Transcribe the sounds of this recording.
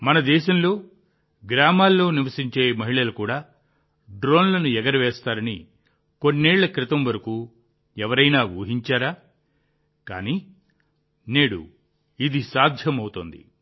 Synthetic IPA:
mɐnɐd̪ɛːʃɐmlo̞ː | ɡɾaːmaːlːo̞ːniʋɐsiɲt͡ʃe̞ːmɐɦiɭɐlukuːɽaː | ɖɾo̞ːnlɐnuɛɡɐɾɐʋɛːst̪aːɾɐni | ko̞nːeːɭːɐkɾɪt̪ɐmʋɐɾɐkuː | ɛʋɐɾɐjnaːʋuːɦiɲt͡ʃaːɾaː | ka̰ːniː | neːɽṵ | id̪isaːd̪ʱjɐmɐwut̪ond̪ḭ

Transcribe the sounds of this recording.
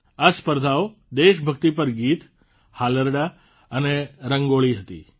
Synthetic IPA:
aspəɾd̪ʱawo | d̪eʃbʱəkt̪ipəɾɡit̪ | haləɾɖa | əneɾəŋɡoɭiɦət̪ḭ

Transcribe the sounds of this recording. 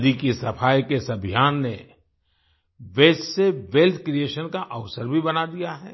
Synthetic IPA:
d̪ikisɐfaːjkesɐbʱijaːnːe | ʋɛːsseʋelt̪ʰkɾieːʃənkaʔəʋsəɾbʱibɐnad̪ijaɦɛ̰ː

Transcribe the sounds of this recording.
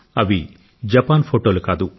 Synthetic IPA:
ɐʋi | d͡ʒɐpaːnpʰoːʈoːlukaːd̪u

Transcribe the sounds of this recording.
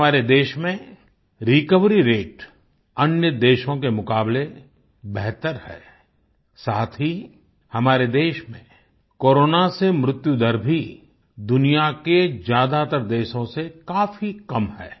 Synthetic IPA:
aːɾed̪eːʃmẽ | ɾɪkəʋɾiɾeːʈ | ɐnjəd̪eːʃõkemʊkaːble | bɛɦt̪əɾhɛ̰ː | saːt̪ʰɦi | hɐmaːɾed̪eːʃmḛ̃ | koːɾoːnasemɾʊt̪jud̪əɾbʱi | d̪ʊnijaked͡ʒjaːd̪at̪əɾd̪eːʃõsekaːfikɐmhɛ̰ː

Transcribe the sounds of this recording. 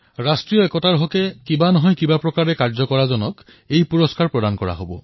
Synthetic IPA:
ɹastɹijɔɛkɔtaɹɦɔkɛkibanɔɦɔjkibapɹɔkaɹɛkaɹzɔkɔɹazɔnɔk | ejpuɹɔskaɹpɹɔdankɔɹa̰ɦobɔ̰

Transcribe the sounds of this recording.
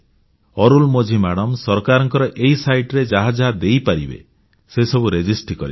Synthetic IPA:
ɔɾulmod͡ʒʱimaɽɔmsɔɾkaɾɔŋkɔɾɔʔeisajʈɾed͡ʒaɦad͡ʒɦad̪ejpaɾibḛ | sesɔbuɾed͡ʒisʈkɔɾḭ

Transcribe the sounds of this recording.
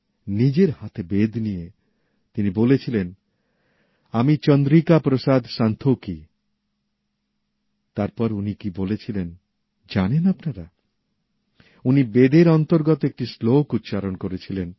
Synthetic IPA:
nid͡ʑeɾhat̪ʰebed̪ʱnije | t̪inibolet͡ɕʰilen | amit͡ɕɔnd̪ɾikapɾosad̪ʱʃant̪ʰoki | t̪aɾpɔɾunikibolet͡ɕʰilen | d͡ʑanenapnaɾa | unibed̪eɾɔnt̪oɾɡot̪oek̚ʈislokut̪ːʃaɾonkoɾet͡ɕʰilen

